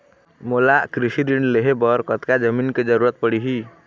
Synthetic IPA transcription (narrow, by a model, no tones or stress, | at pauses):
molaʔkɾisiɾiɳɖleɦebɔɾkɔt̪kad͡ʒəminked͡ʒəɾuɾət̪̚pəɽiɦi